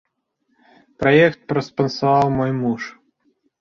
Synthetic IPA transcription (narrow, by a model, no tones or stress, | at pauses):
pɾɐjɛkt̪̚pɾɔspɐnsɐvɑwmɔjmuʂ